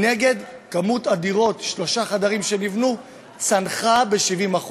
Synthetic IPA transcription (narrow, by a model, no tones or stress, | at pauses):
ne̞ɡe̞dkamutadiʁo̞tʃlo̞ʃaχadaʁimʃenivnu | t͡sanχabe̞ʃivimaχ